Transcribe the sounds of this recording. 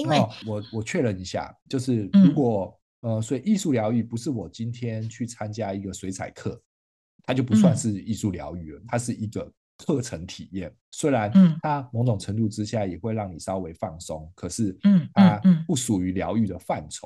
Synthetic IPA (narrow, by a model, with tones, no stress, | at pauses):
wɔ˨˩wɔ˨˩t͡ɕʰɥɛ˥˩ɻə˧˩ni˧˥ɕja̰˥˩t͡ɕjo˥˧ʊʂɻ̩˥˩ɻu˧˥kwɔ˨˩ | ə˧swe˥i˨˩i˥˧su˥˩ljɑ˧˥ʊy˥˩pu˧˦˥ʂɻ̩˥˩wɔ˨˩t͡ɕi˦nt̪ʰjɛ˥nt͡ɕʰy˥˩t͡sʰa˥nt͡ɕja˥i˧˥ɡə˨swe˧˥ɪt͡sʰa̰˨˩ɪkʰɤ˥˩ | t̪ʰa˥t͡ɕjo˥˩ʊp̬u˧˦swa˥˧nʂɻ̩˥˧i˥˧su˥˩ljɑ̰˧˥ʊy˥˩lə˩t̪ʰa˥ʂɻ̩˥˩i˧˥ɡə˨ | kʰɤ˥˩ʈ͡ʂʰə˧˥ŋt̪ʰi˨˩jɛ˥˩n | swe˥ɪɻa˧˦nt̪ʰa˥mo˧˥ŋʈ͡ʂʊ˨˩ŋʈ͡ʂʰə˧˥ŋt̪u˥˧ʈ͡ʂɻ̩˥˦ɕja˥˩jɛ˨˩xwe˥˧ɪɻɑ˥˩ŋni˨˩sɑ˥ʊwe˧˥ɪfɑ˥˨˩ŋso˥ŋkʰɤ˨˩ʂɻ̩˥˩t̪ʰa˦pu˥˩ʂu˨˩y˧˦ljɑ˧˥ʊy˥˩d̪ə˩fa˥˨˩nʈ͡ʂʰo̰˨˩˦ŋ